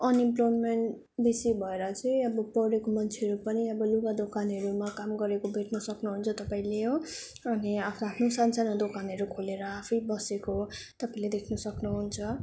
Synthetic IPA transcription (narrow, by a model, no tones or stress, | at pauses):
ʌnimplojmeɳʈ | bisibʱʌeɾʌt͡sʌjʌbʌpʌɾekomʌnt͡sʰeɦʌɾupʌniʌbʌluɡad̪okanɦʌɾumakamɡʌɾekobʱeʈnʌsʌknuɦunt͡sʰʌt̪ʌpaĩleɦõ | ʌniapʰapʰnosant͡sanʌd̪okanɦʌɾukʰoleɾʌapʰʌjbʌsekot̪ʌpaĩled̪ekʰnʌsʌknuɦunt͡sʰʌ